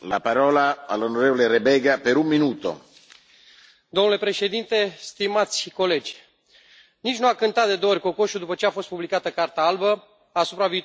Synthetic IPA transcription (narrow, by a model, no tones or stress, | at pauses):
la̰paɾɔːlaalːonoɾevoleɾebɛːɡapeɾumːinuːt̪o̰ | d̪omnule̞pɾe̞ʃe̞d̪int̪e̞st̪imat̪sʲko̞le̞d͡ʒʲ | nit͡ʃʲnuakɨnt̪at̪̚d̪e̞d̪oorʲko̞ko̞ʃud̪upət͡ʃeafo̞st̪publikat̪əkart̪aalbə | asupɾaviːt̪